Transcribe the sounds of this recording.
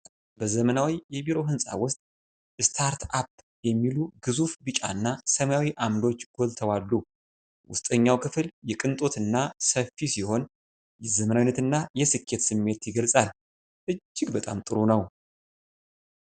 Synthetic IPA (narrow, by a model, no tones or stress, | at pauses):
bəzəmənawijɛbiɾo̞ɦɨnsʼa̰wʊst̪ʼ | ʔɨst̪ʰaɾt̪ap̚ | jɛmːiluɡ̥ɨzufbɨt͡ʃʼa̰ɨnːasəmajawiʔamd̪o̞t͡ʃːɡ̥o̞lt̪ʰəwalːu | wʊ̰st̪ʼəɲːawkʰɨfɨljɛkʼɨnt̪ʼo̞t̪ɨnːasəfːisiho̞n | jɛzəmənawinət̪ɨnːajɛsɨkʰːe̞t̪sɨmːe̞t̪jɪɡəlsʼal | ʔɨd͡ʒːɪɡbət̪ʼa̰mt̪ʼɨɾonəw